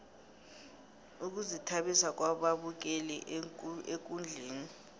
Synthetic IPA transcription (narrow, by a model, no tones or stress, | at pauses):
uk̬uzitʰaɓisak̬ʼwaɓaɓuk̬ɛlɛʔekʼund͡ɮʱeːni